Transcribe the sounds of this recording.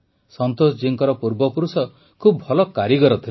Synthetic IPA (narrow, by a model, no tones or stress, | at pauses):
sɔnt̪osd͡ʒiŋkɔɾɔpuɾbɔpuɾusɔ | kʰubʱɔlɔkaɾiɡɔɾɔt̪ʰile